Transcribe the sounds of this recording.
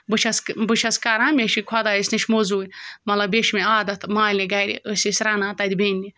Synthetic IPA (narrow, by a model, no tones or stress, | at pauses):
bɨt͡ʃʰɐsbɨt͡ʃʰɐskɐɾãːmʲeʃikʰwɐd̪aːisʲniʃmozuːjʲmɐlɐbeʃmeaːd̪ɐt̪ʰmaːlʲiɡɐɾʲḭʔəsisʲɾɐnãːt̪ɐd̪ʲbenʲːi